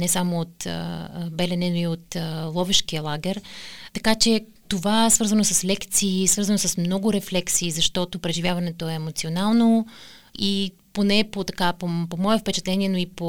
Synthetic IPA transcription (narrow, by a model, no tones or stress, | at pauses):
nɛsamoːt̪bɛlɛnɛnoiot̪lˠɔvɛʃkiəlˠaɡɛɾt̪ɐkat͡ʃɛ | t̪ovaɛsvəɾzənosɐslɛkt̪siːsvəɾzɐnosɐsmnɔɡʊɾɛflɛksiːzɐʃt̪ɔt̪opɾɛʒivʲjavɐnɛt̪oɛːmot̪sionalˠno | i | ponɛpot̪ɐkapopomɔɛfpɛt͡ʃɛt̪lɛniɛnoipo